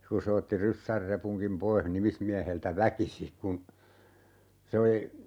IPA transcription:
ku se otːi rysːær repuŋkim poih nimismiæheltæ ʋækisi kun se oli

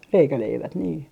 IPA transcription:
reikæleiʋæt niː

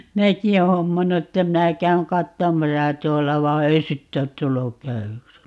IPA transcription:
minæki oː homːɑnːu etːæ minæ kæyŋ kɑtːomɑsɑ tuolːɑ ʋɑ ei sitːe ot tulːuk kæywyks

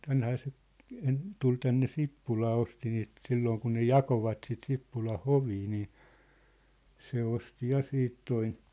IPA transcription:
tænhæː se en tul tænːe sipːulɑː osti niːt silːoːŋ kun ne jɑkoʋɑt sit sipːulɑn̞ hoʋiː niː se osti jɑ siːt toin̞

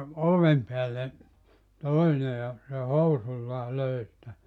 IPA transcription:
oʋem peælːe toine jɑ se housulʲːɑː løi sĭtæ

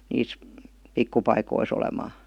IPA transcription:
niːs pikːupɑikois olemɑː

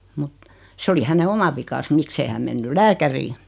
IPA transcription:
mut se oli hæne omɑ ʋikɑs miksei hæm menːyl læːkæriː

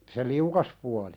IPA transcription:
se liukɑs puɑli

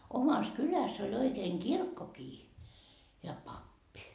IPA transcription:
omɑs kylæs olʲ oikeːn kirkːokiː jɑ pɑpːi

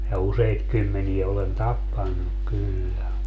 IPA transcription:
jɑ useit kymːenie olen tɑpːɑnːuk kylːæ

